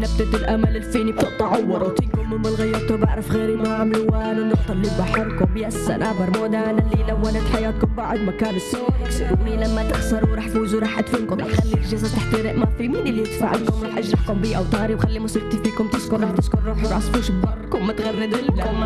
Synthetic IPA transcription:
nɪbd̪ad̪ɪlʔamalɪlfiːnib̚t̪ʊʔt̪ːˤɑʕɑwːɑɾˤt̪ɪnkʊmmɪmbɪlɣajːɑɾˤt̪ubaʕɾɪfɣeːɾimaʕamluwaːnɪnːʊxt̪ɑblibaħɑɾˤkʊmbiːasːa̰nʔabɑɾˤmod̪aːnalːilawːanat̪ħajaːt̪̚kʊmbaʕd̪makaːnɪsːoːmiːnlamːat̪ɪxsɑɾˤuɾˤɑːħfuːzuɾˤɑːħʔat̪fɪnkʊmaxalːilʒɪzat̪aħt̪ɪɾɪʔmafimiːnɪlːijɪt̪fa̰ːʕalkʊmɾɑːħʔaʒɾˤɑħkʊmbiːʔawt̪aɣɾiwxalːimʊsiɾ̚t̪ifiːkʊmt̪ɪskʊɾˤɑt̪ɪskʊɾˤɾuːħɾˤɑːsˤfuːʃbbɑrˤːkʊmmat̪ɣarːɪd̪ɪlkʊm

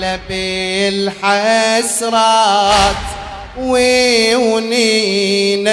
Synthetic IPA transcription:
labelħasɾˤɑt̪ | wiwni | na

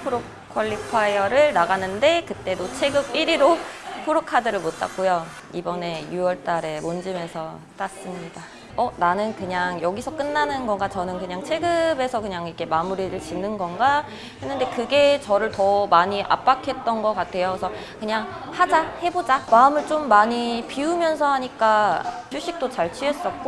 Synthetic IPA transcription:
pʰoɾo | kʰʌʎːipʰaiʌɾɯɭnaɡanɯnde̞kɯt͈e̞dot͡ɕʰe̞ɡɯbiɾiɾopʰoɾokʰadɯɾɯɭmot͈ʰa̰k̚k͈ojo | ibʌne̞juʌɭt͈aɾe̞mond͡ʑime̞sʰʌ | t͈as͈ɯmɲida | ʌnanɯnkɯɲaŋjʌɡisʰʌk͈ɯnːanɯnɡʌnɡat͡ɕʌnɯnkɯɲaŋt͡ɕʰe̞ɡɯbe̞sʰʌkɯɲaŋikʰe̞mamuɾiɾɯɭt͡ɕinːɯnɡʌnɡa | henːɯnde̞kɯɡe̞t͡ɕʌɾɯɭtʌmaɲiʔa̰p͈akʰe̞t̚t͈ʌnɡʌk͈atʰe̞josʰʌ | kɯɲaŋ | had͡ʑahe̞bod͡ʑamaɯmɯɭt͡ɕ͈omːaɲipiumjʌnsʰʌɦaɲik͈at͡ɕʰuɕ͈ik̚t͈ot͡ɕaɭt͡ɕʰies͈ʌk͈o

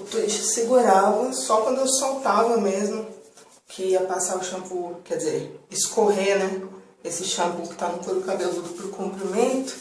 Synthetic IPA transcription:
ʊt̪uit͡ʃɪ̥sɪɡuɾavɐsɔkwɐ̃nd̪ʊewsowt̪avɐmezmʊ | kʰɪiɐpasaɾʊʃɐ̃bukɛdɪzeɾɪskoɦenɛ | esɪʃɐ̃bukɪ̥t̪avɐp̪oɾʊkabelʊd̪ʊpɾʊkũmpɾimẽnt̪ʊ̥

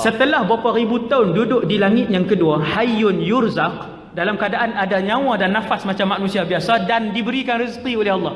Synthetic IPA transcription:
sət̪əlahbapaɾibut̪aʊndudʊʔ̚dilaŋɪt̪̚jaŋkəduahajʊnjʊrzaq̚ | dalamkadaʔanadaɲãw̃adanːafasmat͡ʃamːaʔnũsiabiasadandibəɾikanrizqiolɛhɑlːɑh

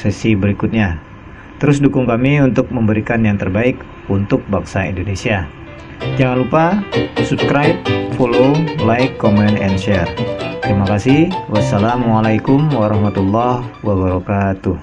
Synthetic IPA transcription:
sɛsibəɾikʊt̪̚ɲa | t̪əɾʊsdukʊŋkamiunt̪ʊk̚məmbəɾikanjaŋt̪ərbaɪk | unt̪ʊk̚baŋsaḭndonesia | d͡ʒaŋanlupasupskɾajp̚fololaɪkːomɛnɛnʃɛrt̪əɾimakasɪhwʔasːalamalajkʊmwaɾɑhmat̪ulːah | waβaɾɔkat̪ʊh

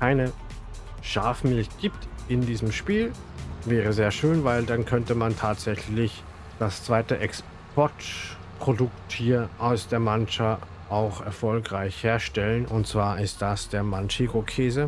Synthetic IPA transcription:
kʰaɪnə | ʃaːfmɪltɡ̥iːptʔɪndiːzəmʃpiːl | vɛːʁ̞əzeːɐʃøːnvaɪldankʰœntəmantʰaːtz̥ɛçlɪç | d̥ast͡sv̥aɪtəʔɛks | pʰɔɐt | pʁ̥odʊk̚tʰːiːɐʔaʊsd̥eːɐmant͡ʃa | ʔaʊxɛɐfɔlkʁaɪçheːɐʃtɛlənʔʊntt͡sv̥aːɐʔɪst̚d̥asd̥eːɐmant͡ʃiɡokʰeːzə

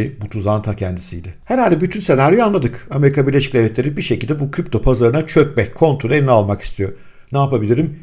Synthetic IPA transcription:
ibut̪ʰuzant̪ʰacʰɛnd̪isijd̪ɪheɾalʲd̪ɛbyt̪ʰynsenaɾʲyjanlˠad̪ɯkame̞ɾikʰabiɾlʲeʃic̚lʲelʲɛt̪lʲe̞ɾibiʃecilʲd̪ɛbukʰɾip̚t̪ʰo̞pʰazaɾɯnat͡ʃʰøcmɛckʰo̞nt̪ʰolʲˠelʲinalˠmaki̥st̪ʰijo̞ | naːpabilʲiɾim

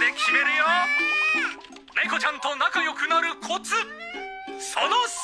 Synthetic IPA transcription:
d̪e̞kʲime̞ɾɯ̟jo | neko̞t͡ɕãnt̪o̞nakajo̞kɯ̟naɾɯ̟kʰot͡sɨ | sono

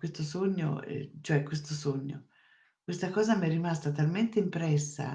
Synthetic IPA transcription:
west̪osoɲːo̰ɛ̰t͡ʃoɛkwest̪osoɲːo̰ | kwest̪akɔːzamɛrːimast̪at̪alment̪eimpɾɛsːa̰

